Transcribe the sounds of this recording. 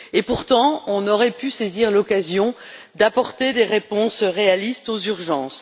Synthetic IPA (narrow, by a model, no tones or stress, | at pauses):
epuʁt̪ɑ̃ɔ̃nɔʁɛpyseziʁlɔkazjɔ̃ | d̪apɔʁt̪ed̪eʁepɔ̃sʁealist̪ozyʁʒɑ̃ːs